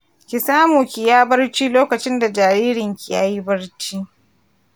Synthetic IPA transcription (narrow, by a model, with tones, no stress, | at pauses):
kʲi˨saː˦muː˨kʲi˨jaː˦bɐ˦rt͡ʃiː˦loː˦kɐ˨t͡ʃɪ˦nda˨d͡ʒaː˨ɾiː˦ɾɪ˨ŋkʲi˨ja̰ː˦ji˦bɐ˦rt͡ʃiː˦